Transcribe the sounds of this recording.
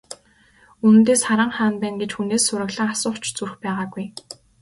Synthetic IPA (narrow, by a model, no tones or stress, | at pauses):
unɘ̆nt̪eːsχaɾə̆ɴχaːnpæːnɡet͡ɕxuneːsːʊɾə̆ɣɮə̆ŋasʊːχt͡ɕt͡surxpæːʁaːɡuj